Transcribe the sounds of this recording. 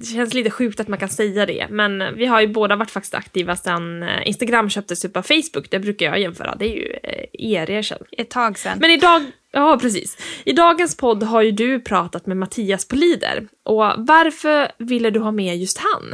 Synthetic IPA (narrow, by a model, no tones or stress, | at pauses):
d̪ɛɕɛnsliːt̪əɧʉ̟ːkt̪at̪mankʰansɛjːad̪ɛ̰mɛnvɪɦaɾjɵboːd̪avaʈːfak̚t̪ɪ̥st̪a̰kt̪iːvasɛnɪ̰nst̪aɡɾamːɕœːp̚t̪əsɵpːavfɛjsbʊkːd̪ɛbɾʉ̟ːkaɾjɑ̰jɛnːfœ̰ːɾʔa̰d̪ɛæɾjɵ̰eːɾɛɕɛ̰nːt̪ʰɑːɡsɛnmɛnɪd̪ɑːɡ | jɑːpʰɾɛs̬ḭːsɪd̪ɑːɡənspʰɔd̪ːɦaɾjɵd̪ɵpʰɾɑːt̪at̪mɛmat̪ʰiːaspʰɔliːd̪ə̰ɾʔɔvaɾfœɾvɪlːəɖɵɦɑːmɛjɵst̪ha̰n